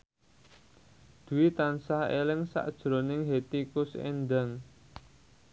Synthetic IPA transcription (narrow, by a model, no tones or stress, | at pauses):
d̪̥ṳwit̪ansahḛlɪŋsa̰ʔd̥ʒ̥ɾonɪŋɦet̪ikʊsḛnd̪aŋ